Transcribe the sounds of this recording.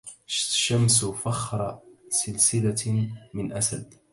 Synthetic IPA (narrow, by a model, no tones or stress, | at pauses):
ʃamsfɑxɾˤɑsɪlsɪlamɪnʔasad̪